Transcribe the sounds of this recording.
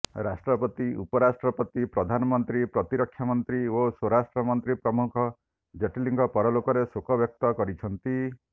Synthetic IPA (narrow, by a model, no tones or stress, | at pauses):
ɾasʈɾɔpɔt̪iupɔɾasʈɾɔpɔt̪ipɾɔd̪ʱanɔmɔnt̪ɾipɾɔt̪iɾɔkʰːjamɔnt̪ɾioswɔɾasʈɾɔmɔnt̪ɾipɾɔmukʰɔ | d͡ʒeʈiliŋɡɔpɔɾɔlokɔɾesokʰɔbjɔk̚t̪ɔkɔɾit͡ʃʰɔnt̪i